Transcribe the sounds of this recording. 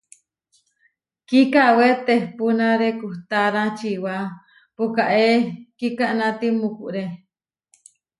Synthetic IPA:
kikawet̪ehpunãɾekuht̪aɾãt͡ʃiwa | pukaʔekikaʔnãt̪imukuʔɾe

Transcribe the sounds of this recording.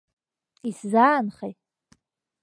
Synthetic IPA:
iszaːnχej

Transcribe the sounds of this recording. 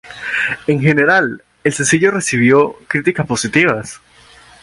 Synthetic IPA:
e̞ŋxe̞ne̞ɾal | elsensiʝo̞re̞siβ̞jo̞kɾit̪ikaspo̞sit̪iβas

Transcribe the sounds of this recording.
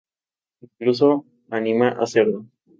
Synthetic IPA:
iŋklus̬o | anĩmaʔa̰seɾlo

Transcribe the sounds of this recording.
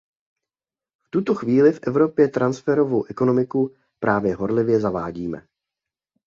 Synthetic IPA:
ft̪ut̪o̞xviːlɪfʔɛvɾo̞pjɛt̪ɾansfɛɾo̞vowʔɛko̞no̞mɪku | pɾʔaːvjɛɦo̞ɾlɪvjɛzavaːɟiːmɛ̰

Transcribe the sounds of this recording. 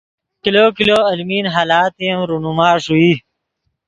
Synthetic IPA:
kiloːkiloːɐlmiːnɦaːlaːt̪imɾunumaːʂui

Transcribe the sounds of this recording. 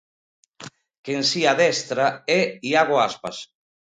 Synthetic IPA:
kensiaðɛst̪ɾaɛiaɣoaspas

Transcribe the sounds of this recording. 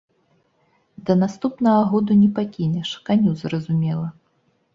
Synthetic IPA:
d̪ɐnast̪upnɐɣɐɣɔd̪unʲɛpakʲinʲɛʂkanʲuzɾɐzumʲɛlˠɐ

